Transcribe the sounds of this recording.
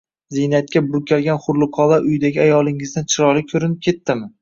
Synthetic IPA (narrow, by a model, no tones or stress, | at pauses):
zinat̪̚kʲabʊɾkʲʰalɡʲanχʊɾlˠɪqʰɒlˠaʔʊjd̪aɡʲɪajɒlˠɪŋɪzd̪ant͡ʃʰɪɾɒlˠɪkʲʰɵɾɪnɪp̚kʲʰe̞t̪ːɪmɪ